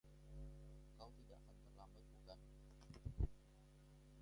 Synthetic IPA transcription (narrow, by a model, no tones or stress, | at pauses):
kawt̪idaʔakant̪ərlambat̪̚muɡan